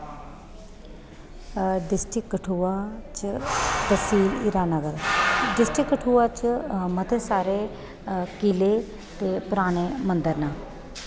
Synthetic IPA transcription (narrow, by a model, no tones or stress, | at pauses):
ɖɪsʈɪkːəʈʰuːaːt͡ʃd̪əsiːliːɾaːnəɡəɾɖɪsʈɪkːəʈʰuːaːt͡ʃmət̪ʰeːsaːɾeː | kileː | t̪eːpʊɾaːɽ̃eːmənd̪əɾnãː